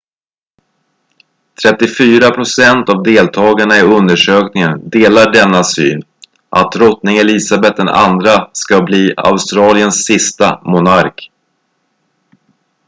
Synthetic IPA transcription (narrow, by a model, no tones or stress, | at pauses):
t̪ʰɾɛt̪ːɪfyːɾapʰɾʊsɛnt̪avd̪eːlt̪ʰɑːɡaɳaɪɵnd̪əʂøːknɪŋənd̪eːlaɖɛnːasy̰ːn | ʔa̰t̪ɾɔt̪nɪŋɛliːsabɛt̪̚d̪ɛna̰nd̪ɾaskabliːa̰ʊst̪ɾɑːlɪənsːɪst̪amʊnaɾk